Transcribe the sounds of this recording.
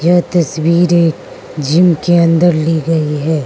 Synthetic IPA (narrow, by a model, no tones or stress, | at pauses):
jɐɦt̪ɐswiːɾeːk | d͡ʒɪmkeɐ̃nd̪əɾliɡɐiɦɛː